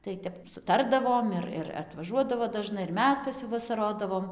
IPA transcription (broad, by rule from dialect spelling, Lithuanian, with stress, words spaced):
tɐɪ ˈtʲɛp sʊˈtɐrdɐʋoːm ɪr ɪr ɐtʋɐˈʒuɔdɐʋoː dɐˈʒnɐɪ ɪr ˈmʲɛs pɐs ˈjuː ʋɐsɐˈroːdɐʋoːm